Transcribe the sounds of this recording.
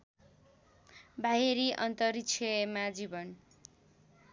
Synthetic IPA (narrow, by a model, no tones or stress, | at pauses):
bʱaɦeɾiʔʌnt̪ʌɾikt͡ʃʰemad͡zibʌn